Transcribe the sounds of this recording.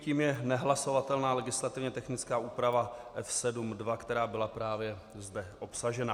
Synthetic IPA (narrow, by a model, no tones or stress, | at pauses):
ciːmjɛnɛɦlaso̞vat̪ɛlnaːlɛɡɪslat̪ɪvɲɛt̪ɛxnɪt͡skaːʔuːpɾavaʔɛfsɛdumdvakt̪ɛɾaːbɪlapɾaːvjɛ | zdɛʔo̞psaʒɛna